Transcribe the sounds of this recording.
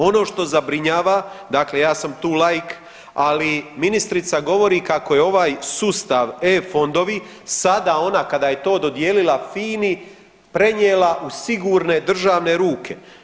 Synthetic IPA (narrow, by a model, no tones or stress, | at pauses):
o̞no̞ːʃt̪o̞zabɾiɲaːʋad̪akle̞jaːsamt̪uːlajk | aliminist̪ɾit̪saɡo̞ʋo̞ɾikako̞jeo̞ʋaːjsuːst̪aʋefo̞nd̪o̞ʋi | sad̪ao̞nakad̪aːje̞t̪o̞ːd̪o̞d̪je̞ːlilafiːni | pɾe̞ɲjeːlaʔusiɡuːɾne̞d̪r̩ʒaːʋne̞ɾuːkʰe̞